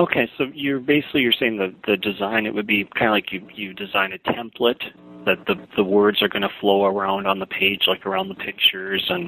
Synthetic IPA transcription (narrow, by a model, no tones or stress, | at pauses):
oʊkʰeɪsoʊjə˞beɪsɪ̥klijə˞seɪɪ̃ŋðɨðɨdɨzãɪ̃nɨ̰ʔ̚wɨd̚bikʰãɪ̃ndəlaɪkjɨjɨdɨzãɪ̃nɨtʰɛ̃mpʰlət̪̚ | ðɨt̪̚ðɨðəwɜ˞dzə˞ɡʌnəfloʊə˞ãʊ̃ndn̩ðəpʰeɪd͡ʒlaɪkə˞ãʊ̃nðəpʰɪk̚t͡ʃə˞zə̃n